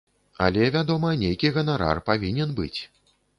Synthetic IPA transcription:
a̰lʲɛvʲad̪ɔmɐnʲejkʲiɣɐnaɾa̰rpavʲinʲɛnbɨ̰t͡sʲ

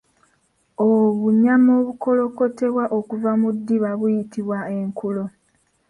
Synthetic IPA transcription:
oβuɲamoːβuko̞lo̞ko̞te̞βwaʔokuvamudːiβaβujitiβwae̞ŋkulo̞

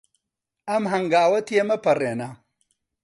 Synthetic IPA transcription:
ɐmɦɐŋɡaːwɐt̪ʰiemɐpɐreːnɐ

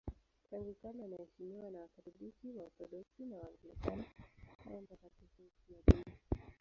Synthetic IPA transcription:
taŋɡikananahɛʃimiwanawakat̪ɔɗikiwaɔt̪ɔɗɔksinawaːŋɡɛlikanaha̰wɔm̩pakatikukiaɗii

